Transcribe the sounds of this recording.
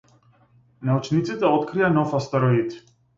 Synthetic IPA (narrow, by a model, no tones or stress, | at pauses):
naut͡ʃʰnit̪sit̪aɔt̪kʰɾianɔfast̪ɛɾɔid̪